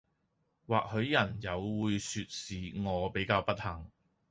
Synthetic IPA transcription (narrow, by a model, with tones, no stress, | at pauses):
waː˨k̚hɵ˨˧ɥjɐ˨˩njɐ˨˧wwuː˨˧jsyː˧t̚siː˨ŋɔː˨˧pe˨˥jkaː˧wpɐ˥t̚hɐː˨˩ŋ